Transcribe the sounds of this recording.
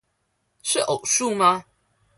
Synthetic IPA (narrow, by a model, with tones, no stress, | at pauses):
ʂɻ̩˥˩ʔo˨˩ʊʂu˥˨ma˧˦